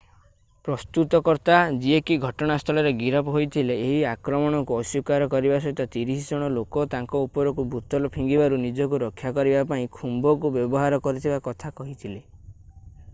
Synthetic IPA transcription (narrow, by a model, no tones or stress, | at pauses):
pɾɔst̪ut̪ɔkɔɾt̪ad͡ʒiekiɡʱɔʈɔɽ̃ast̪ʰɔlɔɾeɡiɾɔpɔɦojt̪ʰileːɦiakɾɔmɔɽ̃ɔŋkuɔsukaɾɔkɔɾibas̬ɔɦit̪ɔt̪iɾisid͡ʒɔɽ̃ɔlokɔt̪aŋkɔupɔɾɔkubut̪ɔlɔpʰiŋɡibaɾunid͡ʒɔk̬uɾɔkʰːjakɔɾibapaĩkʰumbɔkubjɔbɔɦaɾɔkɔɾit̪ʰibakɔt̪ʰakɔɦit̪ʰile